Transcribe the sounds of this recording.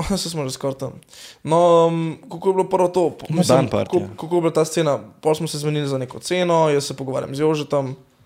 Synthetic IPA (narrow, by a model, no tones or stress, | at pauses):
sɛsmɔʒeskɔɾt̪əmnɔəmkolkojblopəɾʋɔt̪opmislampa̰kokolkojblat̪aːst̪seːnapɔlsmɔsɛzmɛnilizanekɔt̪senɔjəsːɛpɔɡɔʋa̰ɾja̰mzjoʒɛt̪ɐm